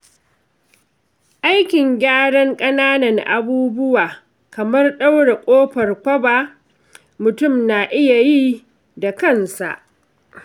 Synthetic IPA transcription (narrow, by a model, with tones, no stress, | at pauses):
ʔa˦jkʲɪ˨ŋɡʲaː˦ɽɐ˦ŋkʼɐ˦naː˦nɐ˨ŋʔa˨buː˦bʊ˦waː˨ | kɐ˨mɐ˦rɗa˦wɽe˨kʷʼoː˦ɸɐ˨rkʷɐ˦baː˨ | mʊ˨tʊ˦mnaː˨ʔɪ˦ja˨ji˦ | da˨kɐ˦nsa̰˨ʔ